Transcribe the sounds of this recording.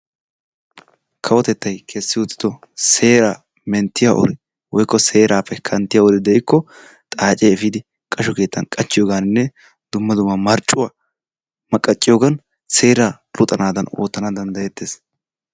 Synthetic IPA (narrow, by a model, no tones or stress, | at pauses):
kʰɐwɔt̪ɛt̪ːɐjkʰɛsːɪwʊt̪ːɪ̥d̪ɔ | se̞ːɾa | mɛnt̪ːɪjaʔɔ̰ɾɪ | wɔjkːɔse̞ːɾaːpːɛkʰɐnt̪ːɪjawɔd̪ɪd̪ɛɪkːɔ | t̪ʼaːt͡ʃʼːeːfɪd̪ɪ | kʼɐʃɔke̞ːt̪ːɐnkʼɐt͡ʃːɪjoːɡaːnɪnːɛ | d̪̥ʊmːɐd̪ʊmːɐmɐɾt͡ʃʼːʊwa | mɐkʼːɐt͡ʃʼːɪjoːɡɐn | se̞ːɾa | lʊt̪ʼɐnaːd̪ɐno̰ːt̪ːɐnɐd̪ɐnd̪ɐjɛt̪ːeːs